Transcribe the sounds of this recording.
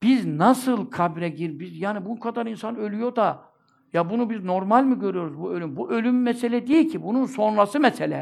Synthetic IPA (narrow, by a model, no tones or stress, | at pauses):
b̥iznasɯlˠkʰabɾɛɟiɾbizjaːnibunkʰad̪aɾinsanø̞lʲyjo̞d̪a | jabunubizno̞ɾmalʲmɯɟø̞ɾyjo̞ɾuzbuø̞lʲymbuʔø̞lʲymːɛselʲɛd̪ejilʲcʰibununso̞nɾasɯmɛselʲɛ